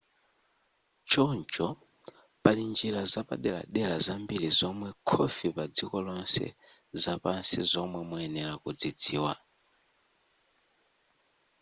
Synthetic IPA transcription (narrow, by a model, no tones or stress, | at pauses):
t͡ʃɔnd͡ʒɔ | palind͡ʒiɾazapa̰ɗɛla̰ɗɛlazambiɾizɔmwɛkʰɔfipad͡zikɔlɔnsɛ̰ | zapansizɔmwɛmuɛnɛɾakud͡zid͡ziːwa